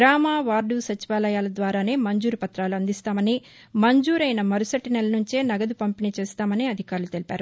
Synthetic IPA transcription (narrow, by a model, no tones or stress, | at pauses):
ɾaːmaːʋaːɾɖusɐt͡ʃiʋaːlɐjaːlɐd̪ʋaːɾaːne̞ːmɐɲd͡ʒuːɾupɐt̪ɾaːluɐnd̪ist̪aːmɐniː | mɐɲd͡ʒuːɾɐjnɐmɐɾusɐʈːinɛlːɐnuɲt͡ʃe̞ːnɐɡɐd̪upɐmpinit͡ʃeːst̪aːmɐniːɐd̪ʱikaːɾulut̪e̞lipaːɾu